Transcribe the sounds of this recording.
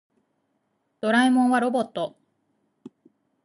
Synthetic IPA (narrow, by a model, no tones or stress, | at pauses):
d̪̥o̞ɾaimõ̞ɰ̃βaɾo̞bo̞t̪ːo̞